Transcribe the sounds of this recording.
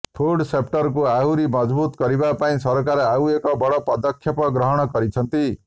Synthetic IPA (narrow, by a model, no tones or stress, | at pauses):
pʰoɖsep̚ʈʌɾk̬uaɦuɾimʌd͡ʒbut̪kʌɾibapaĩsʌɾkaɾawekɔbɔɽɔpɔd̪ɔkʰːjɔpɔɡɾɔɦɔɽ̃ɔkɔɾit͡ʃʰʌnt̪i